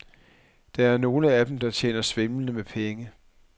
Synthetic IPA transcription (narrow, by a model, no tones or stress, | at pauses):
d̥ɑ̈æɐno̝ːləæd̥em̩d̥ɑ̈t͡ɕʰjḛːnɐsʋemnəmepʰeŋə